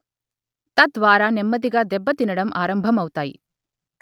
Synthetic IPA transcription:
t̪ɐd̪ʋaːɾanemːɐd̪iɡɐd̪ɛbːɐt̪inɐɽɐmʔaːɾɐmbʱɐmɐwut̪aːjḭ

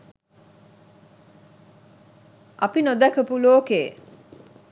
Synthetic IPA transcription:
ʔapinod̪ækəpuloːkeː

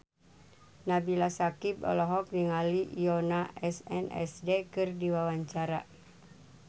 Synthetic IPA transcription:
nabilasakibɔ̰lɔɦɔk̚niŋalijɔnaʔɛsɛ̰nɛ̰sdekɨrdiwawaɲt͡ʃaɾa̰

